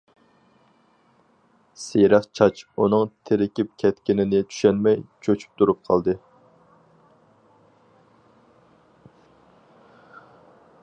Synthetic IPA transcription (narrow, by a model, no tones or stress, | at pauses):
seɾɛqt͡ʃʰɑt͡ʃunɨŋt̪ʰeɾɪkʲip̚kʲʰɛt̪kʲɪnɪnɪt͡ʃ̪ʰy̥ʃɛnmɛjt͡ʃʰøt͡ʃʰy̥p̚t̪ʰuɾup̚qʰɑlˠd̪ɨ